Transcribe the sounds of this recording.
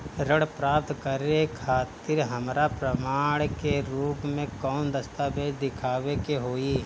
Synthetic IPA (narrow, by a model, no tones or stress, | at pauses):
ɾəɽpɾaːp̚t̪kəɾekʰaːt̪ɪɾɦəmɾapɾəmaːɽkeɾuːpmẽkɔːnd̪ɐst̪aːbeːd͡ʒd̪ɪkʰaːʋekeɦoːiː